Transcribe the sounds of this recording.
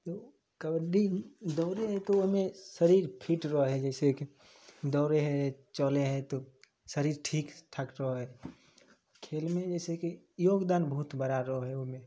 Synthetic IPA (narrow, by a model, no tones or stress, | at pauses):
t̪o | kəbəɖid̪ɔːɾeɦɛ̃t̪ooɦmẽsəɾiɾpʰiʈɾɔɦɦɛd͡ʒɛːseki | d̪ɔːɾeɦɛt͡ʃɔːleɦɛ̃t̪o | səɾiːɾʈʰiːkʈʰəkɾəɦɦɛ | kʰeːlmẽd͡ʒɛːseki | joːɡd̪aːnbʱuːt̪bəɾaɾəɦɦɛoɦmẽ